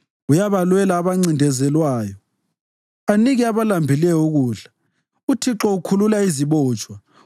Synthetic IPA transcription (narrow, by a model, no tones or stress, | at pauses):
ujaβalwɛlaːβaŋ͡ǀindʱɛzɛlwaːjɔ | aniɣɛaβalambʱilɛjɔuɣuːɮa | utʰiǁɔukʰululaiziβɔːt͡ʃʼwa